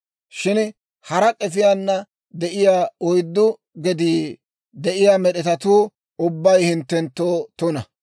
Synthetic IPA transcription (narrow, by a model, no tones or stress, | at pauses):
ʃɪn | hɐɾɐkʼɛfɪjanːɐ | d̪ɛʔɪjaːɔjd̪ːʊ | ɡɛd̪iː | d̪ɛʔɪjaːmɛɗɛt̪ɐt̪uː | ʊbːɐjhɪnt̪ːɛnt̪ːoːt̪ʊnɐ